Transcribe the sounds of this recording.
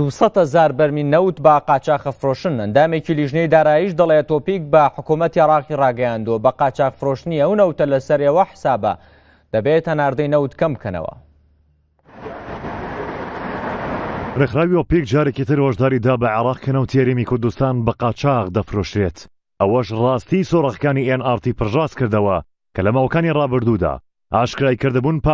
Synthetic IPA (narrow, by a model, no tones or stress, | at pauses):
d̪̥usˤɐt̪hɐzaːɾbɐɾminɐwt̪bɐqɑːt͡ʃaːxɐfɾoʃɨnɐnd̪aːmeciliʒnejd̪aːɾaːjiʃd̪ɐlˠet̪opik̚bɐħʊkumɐt̪iʕɪɾɑːqirɑːɡɐjand̪uwɐbɐqɑːt͡ʃaːqfɨɾoːʃt̪ɨniɐwnɐwt̪ɐlɐsɐɾewɐħə̥saːbɐ̰ | d̪̥ɐbet̪ɐnaːɾd̪ɐjnɐwt̪kɐmbkʰɐnɐ̰wɐ̰ | rexɾaːwiwopikd͡ʒaːɾekit̪ɨɾwɐʒd̪aːɾid̪aːbɐʕɪɾɑːqkʰɐnɐwt̪ʰihɐɾemikʊɾd̪ust̪aːnbɐqɑːt͡ʃaqd̪ɐfɾoʃt̪ɾet̪ | ʔɐwɐʃrˤɑːst̪isorɐɣkaːniʔenaːɾt̪iːpɨɾʒɑːskɨɾd̪ɐwɐ | kʰɐlɐmaːwɐkaːnirˤɑːbɨɾd̪ud̪a̰ː | ʔaːʃkɾaːikɨɾd̪ɨbuːnp